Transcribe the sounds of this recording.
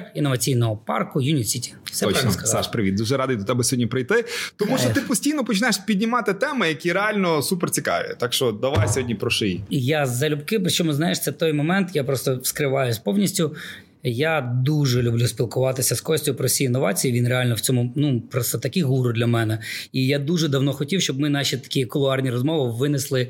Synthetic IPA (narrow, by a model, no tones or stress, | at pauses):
inːɔʋɐt͡sʲijnɔɦɔpɑ̰rkʊjunʲisʲitʲi̥sɛpɔɾskɐsaʃpɾɪʋʲid̪d̪uʒɛɾɑd̪ɪjd̪ɔt̪ɛbɛsʲɔɦɔdʲnʲipɾɪjt̪ɪt̪ɔmuʃt͡ʃɔt̪ɪpɔsʲtʲijnɔpɔt͡ʃɪnajeʃpʲid̪ʲnʲɪmɑt̪ɪt̪ɛmɪjɐkʲiɾɛalʲnɔsupɛrt͡sʲikɑ̰ʋ̰jɛ̰t̪ɑkʃt͡ʃɔd̪ɐʋajsʲɔɦɔdʲnʲipɾɔʃɪjiijazɐlʲʊbkɪpɾɪt͡ʃɔmʊznajeʂt͡s̪ʲɛt̪ɔjmɔmɛnt̪japɾɔst̪ɔskɾɪʋɑjʊsʲpɔwnʲisʲtʲʊ | jad̪uʐɛlʲublʲusʲpʲilˠkʊʋɑt̪ɪsʲɐskɔsʲtʲʊpɾɔsʲiinːɔʋɑ̰t͡sʲijiʋʲinrealʲnɔwt͡sʲɔmʊnupɾɔst̪ɐt̪ɐkɪɦuɾʊd̪lʲɐmɛnɛijad̪uʐɛd̪ɐwnɔxɔtʲiwʃt͡ʃɔbmɪnɑʃʲit̪ɐ̥kʲijkɔlˠʊɑrnʲiɾɔzmɔʋɪʋɪnɪslˠɪ